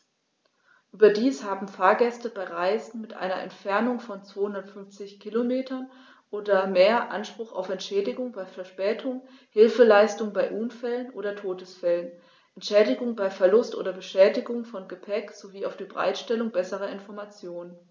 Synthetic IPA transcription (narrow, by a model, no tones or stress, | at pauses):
ʔyːbɐdiːshaːbm̩faːɐɡɛstəbaɪʁaɪzn̩mɪtʔa̰ɪnɐ̰ʔɛ̰ntfɛɐnʊŋfɔnt͡sv̥oːhʊndɐtfʏnft͡sɪçkʰɪlomeːtʰɐn | ʔoːdɐmeːɐʔanʃpʁ̥ʊχa̰ʊfɛntʃɛːdɪɡʊŋbaɪfɛɐʃpɛːtʰʊŋ | hɪlfəlaɪstʊŋbaɪʔʊnfɛlənʔoːdɐtʰoːdəsfɛlən | ʔɛntʃɛːdɪɡʊŋbaɪfɛɐlʊstʔo̰ːdɐbəʃɛːdɪɡʊŋfɔnɡəpʰɛkz̥oviːaʊfd̥iːbəʁa̰ɪtʃtɛlʊŋbɛsəʁɐɪnfɔɐmat͡sjoːnən